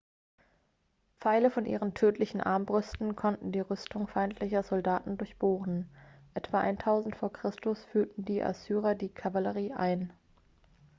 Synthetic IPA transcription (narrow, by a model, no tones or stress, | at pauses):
p͡faɪləfɔnʔḭːʁəntʰøːtʰlɪçn̩ʔa̰ɐmbʁʏstn̩kʰɔntn̩diːʁʏstʊŋfaɪntʰlɪçɐzɔldaːtn̩dʊɐçb̥oːʁn̩ʔɛtv̥aʔa̰ɪntʰaʊzn̩tfoːɐkʁ̥ɪstʊsfyːɐtn̩diːʔa̰syːʁɐdiːkʰavaləʁiːʔaɪn